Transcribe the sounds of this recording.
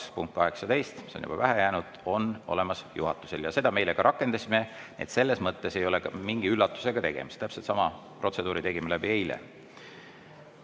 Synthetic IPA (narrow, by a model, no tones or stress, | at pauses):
spuŋk̪̚kɑɦe̞ksɑd̪e̞jst̪mi̥sonjṵb̥ɑ̰væɦɛjæːnud̪̥o̞no̞̰le̞mɑsjṵɦɑt̪ːˑu̥se̞ljɑse̞d̪̥ɑme̞jleɡɑɾʔɑkːˑe̞nd̪ɑsʲime̞net̪se̞lːe̞smɤt̪ːe̞se̞jo̞leɡɑmiŋɡ̥iylːɑt̪ːˑu̥seɡ̥ɑt̪e̞ɡ̥e̞̰mist̪æpselt̪sɑmɑ | pro̞t̪se̞d̪uːɾit̪e̞ɡimelæbie̞jlḛ